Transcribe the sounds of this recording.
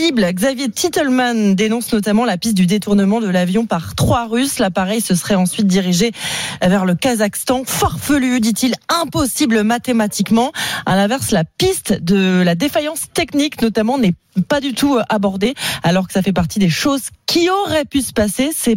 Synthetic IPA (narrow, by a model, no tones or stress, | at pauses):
iblɡzavjet̪ʰit̪ɛlmand̪enɔ̃snɔt̪amɑ̃lapist̪̚d̪yd̪et̪uʁnəmɑ̃d̪əlavjɔ̃paʁt̪χwaʁyslapaʁɛjsəsəχɛɑ̃sɥit̪̚d̪iʁiʒevɛʁləkazakst̪ɑ̃faʁfəlyd̪it̪ilɛ̃pɔsiblmat̪emat̪ikmɑ̃a̰lɛ̃vɛʁslapist̪d̪əlad̪efajɑ̃st̪ɛkniknɔt̪amɑ̃nɛ | pad̪yt̪ʰuʔabɔʁd̪ealɔʁkə̥safɛpaʁt̪ʰid̪eʃozkʲʰiɔʁɛpysə̥pasesɛ